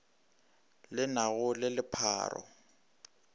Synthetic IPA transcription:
lɪnaɣʊlɪlɪpʰa̰ːrɔ̰

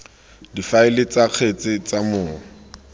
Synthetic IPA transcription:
difaɪlɪt͡saq͡χʰet͡sʼɪt͡samʊːŋ̩

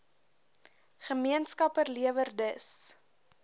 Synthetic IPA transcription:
χəmiənskɐpərliəvərdəs

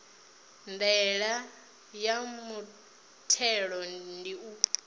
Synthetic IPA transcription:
ndɛɺa | jamu | tʰɛɺɔndiu

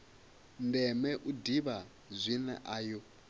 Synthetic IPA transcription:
ndɛmɛʔudiβa | zʷinɛ̰ʔaːjɔ

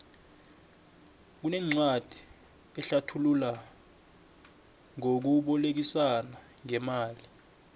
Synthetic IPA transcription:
k̬unɛŋ͡ǀad̥ʱi̥ | ɓɛɬatʰulula | ŋok̬uɓɔlek̬isana | ŋɛmaːli

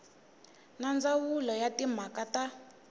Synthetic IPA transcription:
nand͡zawulɔjatim̤akata

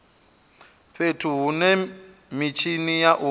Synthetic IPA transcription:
ɸetʰuɦunɛ | mit͡ʃʰinijaʔu

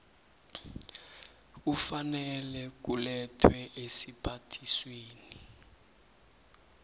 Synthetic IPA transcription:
k̬ufanɛlɛk̬ulɛtʰwɛʔesipʰatʰisweːni

